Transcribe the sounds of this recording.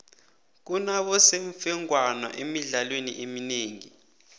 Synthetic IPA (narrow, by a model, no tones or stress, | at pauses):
k̬unaɓɔseɱfɛŋwanwa̰ʔemiɮalwenḭʔemineːŋi